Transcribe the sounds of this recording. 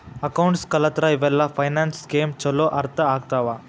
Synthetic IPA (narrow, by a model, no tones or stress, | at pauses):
ɐkawɳʈskɐlət̪ɾaiʋɛlːafajnanskemt͡ɕəloʔɐɾt̪ʰəaɡt̪aʋa